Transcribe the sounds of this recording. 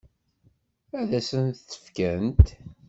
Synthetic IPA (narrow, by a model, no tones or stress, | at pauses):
æðæsənt̪ːə̥fkænt̪